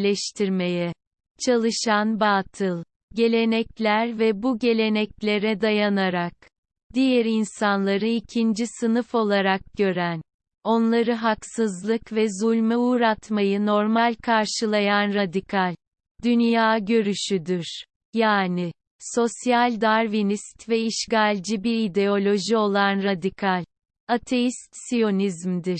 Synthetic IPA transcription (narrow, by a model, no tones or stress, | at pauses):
lʲɛʃt̪ʰiɾme̞jɛ | t͡ʃʰalˠɯʃanbaːt̪ʰɯlˠ | ɟe̞lʲe̞nɛclʲæɾvɛbuɟe̞lʲe̞nɛclʲe̞ɾɛd̪ajanaɾak̚ | d̪̥ijɛɾinsanlˠaɾɯicʰind͡ʒisɯnɯfo̞lˠaɾak̚ɟ̥ø̞ɾæn | o̞nlˠaɾɯɦaksɯzlˠɯkvɛzulʲmɯuːɾat̪majɯno̞ɾmalʲkʰaɾʃɯlˠajanɾad̪ikʰalʲ | d̪̥ynjjaːɟø̞ɾyʃyd̪iɾ̥ | jaːni | so̞sjalʲd̪aɾvinist̪vɛiʃɡalʲd͡ʒibiɾid̪e̞o̞lʲo̞ʒio̞lˠanɾad̪ikʰalʲ | at̪ʰe̞jist̪sijo̞nizmd̪iɾ̥